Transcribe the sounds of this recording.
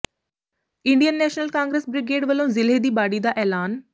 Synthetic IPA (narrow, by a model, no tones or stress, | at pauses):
ɪ̃ɳɖijənːɛːʃnəlkãːŋɡɾəsbɾɪɡeːɖʋəlõːzɪleːd̪iːbaːɽiːd̪aːʔɛːlaːn